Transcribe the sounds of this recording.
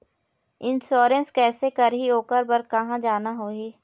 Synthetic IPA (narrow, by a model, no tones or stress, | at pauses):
ɪ̃nsoːɾə̃nskɛːsekɐɾɦioːkəɾbɐɾkɐɦãd͡ʒaːnaɦoːiː